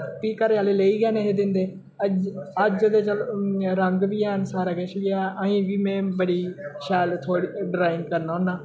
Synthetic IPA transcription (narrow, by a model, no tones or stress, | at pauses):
p̪iːkəɾealeleːiɡaneɦed̪ɪ̃ːnd̪eː | ɐɐd͡ʒɐd̪et͡ʃɐlɾɐ̃ŋɡbiaːɦɪnsaːɾaɡeːʃbiaːãːĩʋimẽbɐɽiʃaːjlt̪ʰoːɽiɖɾaːɪŋkɐɾnona